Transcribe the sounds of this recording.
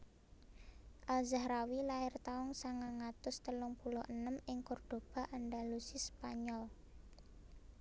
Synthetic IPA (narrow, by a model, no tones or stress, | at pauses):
ʔalzahɾawilaɪrt̪aʊŋsaŋaŋat̪ʊst̪əlʊŋpulʊənəmɪŋkʊrd̪̥o̤b̥a̤ʔanɖalusispaɲɔl